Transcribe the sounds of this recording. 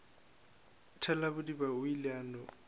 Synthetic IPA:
tʰɛlabʊdibaʊilɪaːnɔ

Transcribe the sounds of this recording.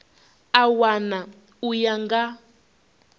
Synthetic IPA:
awana | ujaŋɡa

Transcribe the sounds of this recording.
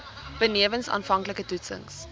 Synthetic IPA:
b̥əniəvənsɑ̰ːnfɐŋkləkətutsə̰ŋs

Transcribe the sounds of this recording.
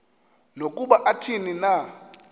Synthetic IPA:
nokʼuɓaʔatʰinina

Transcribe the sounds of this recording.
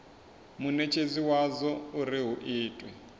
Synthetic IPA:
munɛt͡ʃʰeziwazɔuɾiɦuʔiːtʼwɛ

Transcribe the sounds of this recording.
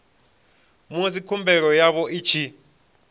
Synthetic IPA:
mosikʰumbʱɛk̬ɔjaɓɔʔit͡ʃʰi

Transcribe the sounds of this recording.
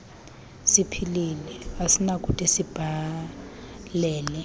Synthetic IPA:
sipʰililɛasinakʼutʼisib̥ʱa | lɛːlɛ

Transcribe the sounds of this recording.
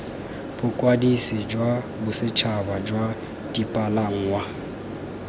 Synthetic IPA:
b̥ʊkʼwadisɪd͡ʒwa | bʊsɪt͡ʃʰabad͡ʒwa | d̥ipʼalaŋ̩wa

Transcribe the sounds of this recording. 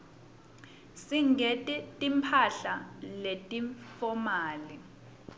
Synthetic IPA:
siŋʱetʼtʼimpʰaɬaletʼifɔmaːli

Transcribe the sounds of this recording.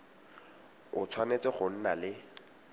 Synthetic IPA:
ʊt͡sʰwanet͡seɪχʊn̩nalɪ

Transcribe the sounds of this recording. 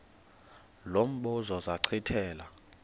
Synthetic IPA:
lom̩ɓuzɔzaǀʰitʰɛːla

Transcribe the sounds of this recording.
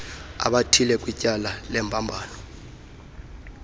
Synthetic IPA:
a̰ɓatʰilɛkʼwicʼalalɛmbʰʼʱambʱaːnɔ

